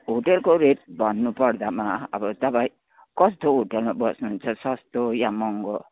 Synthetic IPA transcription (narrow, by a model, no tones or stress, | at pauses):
ɦoʈelkoɾeʈ̚bʱʌnːupʌrd̪amaʌ̰bʌt̪ʌpai | kʌst̪oɦoʈelmabʌsnuɦunt͡sʰʌsʌst̪ojamʌŋɡo